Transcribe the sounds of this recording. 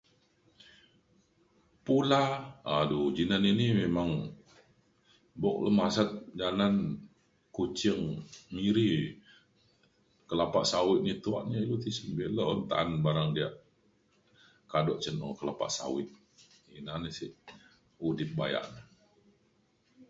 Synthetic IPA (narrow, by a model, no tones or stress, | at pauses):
pulaadud͡ʒinaninimemaŋ | bɔk̚ləmasat̪̚d͡ʒanan | kut͡ʃiŋmiɾi | kəlapa̰ʔsawɪʔ̪̚nit̪uaʔɲailut̪isəmbeləʔnt̪a̰ːnbaɾaŋdia̰ʔ | kadɔʔt͡ʃənɔ̰kəlapa̰ʔsa̰wɪt̪̚ | inanəsḭ | udɪp̚baja̰ʔnə